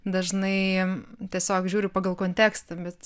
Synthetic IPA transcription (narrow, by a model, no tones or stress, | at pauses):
d̪ɐʒnɐɪt̪ʲiɛsʲoːkʒʲuːɾʲʊpɑːɡɐlˠkoːnʲt̪ʲæːkst̪ɐbʲɛt̪